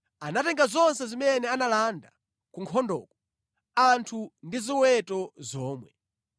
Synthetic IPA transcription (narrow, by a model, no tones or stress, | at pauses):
anatɛŋɡazɔnsɛzimɛnɛanalanda | kuŋkʰɔndɔ̰ːkɔ | antʰundiziwɛtɔzɔːmwɛ